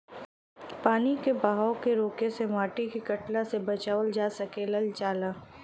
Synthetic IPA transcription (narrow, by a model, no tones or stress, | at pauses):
paːnikebaːɦaʊkeɾoːkeseʋaːʈikikɐʈlasebɐt͡ʃaːʋəld͡ʒaːsɐkelɐlt͡ʃaːlaː